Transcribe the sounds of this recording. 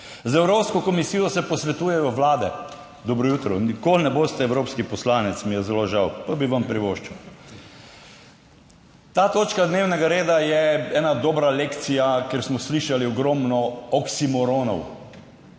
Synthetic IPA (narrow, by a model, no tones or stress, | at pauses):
zɛwɾoːpskɔkɔmisijɔsɛpɔsʋɛt̪uːjɛjɔʋlaːd̪ɛ | d̪ɔbɾɔjuːt̪ɾɔnikolnɛboːst̪ɛɛwɾoːpskipɔslaːnɛt̪smijɛzɛloʒawpabiʋampɾiʋoːʃt͡ʃɛw | t̪aːt̪oːt͡ʃkad̪neːwnɛɡaɾeːd̪ajɛɛːnad̪oːbɾalekt̪sijakeɾsmɔsliʃaliɔɡɾɔmnɔɔksimɔɾonɔ̰w